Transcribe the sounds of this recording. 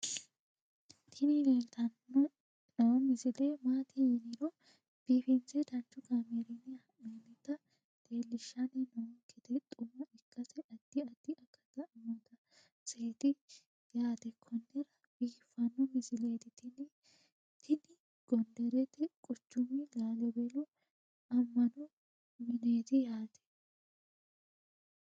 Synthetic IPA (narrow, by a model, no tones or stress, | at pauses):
t̪ʰɪnɪɡelt̪ɐnɔ | nɐwɔmɪzɪleːmaːt̪ɪjɪnɪɾɔ | b̥iːfɪnt͡sɛd̪ɐnt͡ʃːʊɡaːmɛɾɪnɪɐʔenɪt̪ɐ | t̪e̞ːlːɪʃːɐnɛnɐwɔŋkːɪt̪ɛt̪ʼʊmːɐʔɪkːɐsɛʔɐd̪̥ːɪɐd̪̥ɪʔɐkːɐt̪ɐmɔt̪ɐ | seːt̪ɪ | jaːt̪ɛkʰːɔnːɛɾɐb̥iːfːɐnːʊmɪsɪleːt̪ɪt̪ɪnɪ | t̪ʰɪnɪ | ɡ̥ɔnd̪ɛɾɛt̪ɪkʼʊt͡ʃːʊmɪlaːlɛbelʊ | ɐmːɐnʊ | mɪne̞ːt̪ɪjaːt̪ɛ̥